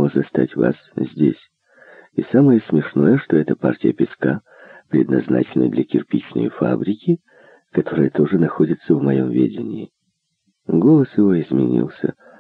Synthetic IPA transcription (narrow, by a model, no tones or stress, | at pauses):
ozɐst̪atʲva̰szʲdʲḛsʲ | isaməjəsmʲɪʂno̞jəʂt̪o̞ɛt̪əpartʲɪjəpʲɪska | pɾʲɪd̪nɐ̰zna̰t͡ɕɪnːə̰d̪lʲəkʲɪrpʲit͡ɕnə̰jfa̰bɾʲɪkʲɪ | kɐt̪o̞ɾɨjət̪o̞ʐɨnɐxo̞dʲɪt̪səvmɐjo̞mvʲḛdʲɪnʲɪɪ | ɡo̞lˠəsjɪvo̞ɪzmʲɪnʲḭlˠsʲə̰